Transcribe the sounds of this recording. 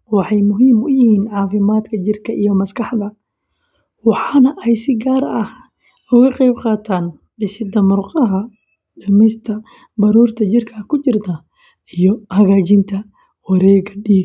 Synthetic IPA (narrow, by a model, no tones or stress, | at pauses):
wɑħɑjmʊɦiːmʊjɪhiːnʕɑːfɪmaːd̪kʰɐt͡ʃɪrkʰɐʔijɔmɐskʰɑħd̪ɐ | wɑħɑnɐʔɛjsɪɡaːɾɐh | ʊɣɐqɛjbqɑːt̪ʰaːn | bɪsɪd̪ɐmʊrqɑɦɐ | ɖɐmɛjst̪ʰɐ | bɐɾuːrt̪ʰɐt͡ʃɪrkʰɐkʰʊt͡ʃɪrt̪ʰɐ | ijɔhɐɣaːt͡ʃɪnt̪ʰɐ | wɑɾɛːɣɐɖiːɡ